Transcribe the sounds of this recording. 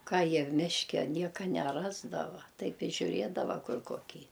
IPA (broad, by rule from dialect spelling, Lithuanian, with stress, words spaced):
ˈkɑː ˈjiɛ ˈmʲɪʃʲkʲɛ ˈnʲiɛkɐ nʲɛˈrɑːzdɐʋɐ ˈtɐɪp ɪ ʒʲʊˈrʲeːdɐʋɐ ˈkʊr koːˈkʲiː